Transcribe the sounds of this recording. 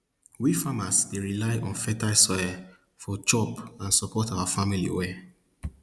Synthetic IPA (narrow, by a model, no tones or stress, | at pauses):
wifamasdeɹilaɪʔɔ̃nfɛtasɔja | fɔd͡ʒɔpãnsɔpʰɔtawafamilḭwɛ